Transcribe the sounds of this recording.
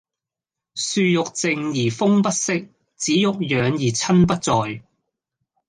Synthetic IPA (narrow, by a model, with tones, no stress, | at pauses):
syː˧jʊ˨k̚t͡sɪ˧ŋjiː˨˩fʊ˥ŋpɐ˥t̚sɪ˥k̚ | t͡siː˨˥jʊ˨k̚jœː˨˧ŋjiː˨˩t͡sʰɐ˥np̬ɐ˥t̚t͡sɔː˨˧j